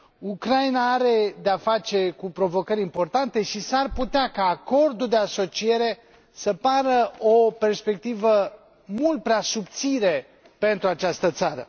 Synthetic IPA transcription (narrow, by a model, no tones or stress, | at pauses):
ukɾainaaɾe̞d̪eafat͡ʃe̞kupɾo̞vo̞kəɾʲimpo̞rt̪ant̪e̞ʃisarput̪eakaːko̞rd̪uld̪e̞aso̞t͡ʃie̞ɾe̞ | səpaɾəope̞rspe̞k̚t̪ivə | mult̪̚pɾeasup̚t̪siɾe | pe̞nt̪ɾuat͡ʃast̪ət̪saɾə̰